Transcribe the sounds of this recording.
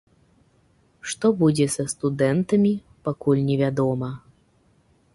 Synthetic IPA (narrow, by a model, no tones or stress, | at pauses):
ʂt̪ɔbud͡zʲɛsɐst̪ud̪ɛnt̪ɐmʲi | pakulʲnʲɛvʲad̪ɔmɐ